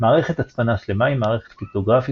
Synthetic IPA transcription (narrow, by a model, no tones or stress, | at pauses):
maːʁe̞χet̪at͡spanaʃle̞maimːaːʁeχet̪fit̪oɡʁafi